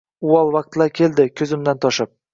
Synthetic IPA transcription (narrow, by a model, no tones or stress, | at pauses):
uɒlˠvɑq̚t̪laɾkʲʰe̞ld̪ɪkʲʰɵzɪmd̪ant̪ʰɒʃɪp̚